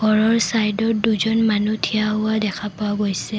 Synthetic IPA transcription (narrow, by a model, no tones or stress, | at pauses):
ɡʱɔɹɔɹsajdɔɹduzɔnmanutʰijaɦʊwadɛkʰapoaɡojsɛ